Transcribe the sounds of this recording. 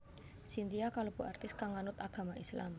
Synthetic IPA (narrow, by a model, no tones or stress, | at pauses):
sint̪iakalob̥uart̪ɪskaŋanʊt̪aɡ̥a̤maʔisla̰m